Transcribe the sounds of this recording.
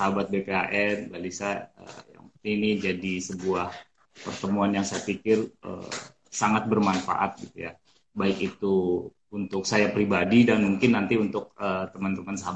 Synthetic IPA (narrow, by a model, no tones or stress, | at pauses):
saɦabat̪̚bepeaʔɛnbalisaə̰ja̰ŋpərt̪inid͡ʒadisəbuah | pərt̪əmuanjaŋsajapikɪrə̰ | saŋat̪̚bərmanfa̰ʔat̪̚ɡit̪uja̰ | baɪkit̪u | unt̪ʊksajapɾibadidanmuŋkɪnːant̪iunt̪ʊk̚ət̪əmənt̪əmənsaɦab